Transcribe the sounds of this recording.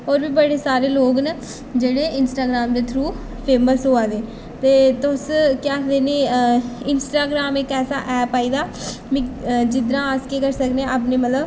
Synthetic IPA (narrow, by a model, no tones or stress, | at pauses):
ɔːɾbiːbəɽeːsaːɾeːloːɡnə | d͡ʒeːɽeːɪnsʈaːɡɾaːmd̪eːt̪ʰɾuː | pʰeːməsɦoːaːd̪eː | t̪eːt̪ʊskjaːkd̪eːneːɪnsʈaːɡɾaːmekɛːsa̰ːʔɛːpaːiːd̪aː | mɪ̃d͡ʒɪd̪ɾãːskeːkəɾsəkd̪eãʔapnẽːmət̪ləb